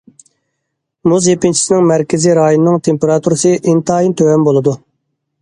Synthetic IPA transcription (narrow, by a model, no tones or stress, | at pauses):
muzjepɪnt͡ʃʰi̥sɪnɪŋmæɾkʲʰɪziɾɑːjonɨnɨŋt̪ʰempeɾɑt̪ʰuɾɨsɨʔint̪ʰɑːjint̪ʰøwɛmbolˠɨd̪u